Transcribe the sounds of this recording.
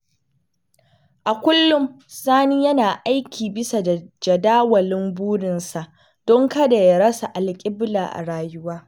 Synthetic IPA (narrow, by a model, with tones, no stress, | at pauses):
ʔa˨kʷʊ˦lːʊ˦m | saː˦niː˦jɐ˦naː˨ʔa˦jkʲʰiː˨bɪ˦sa˨d͡ʒɐ˨daː˦wɐ˨lɪ˦mbuː˦ɽɪ˨nsa˨ʔ | d̥ɔ˦ŋkɐ˦da˨ja˦ɽɐ˦sa˨ʔa˨lkʲʼɪ˦blaː˨ʔa̰˨ɽaː˦jʊ˦waː˦